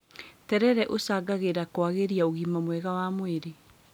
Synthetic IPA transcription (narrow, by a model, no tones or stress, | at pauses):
tɛɾɛɾɛʔosaɡaɣeɾakwaɣeɾiaoɣimamwɛɣawamweɾe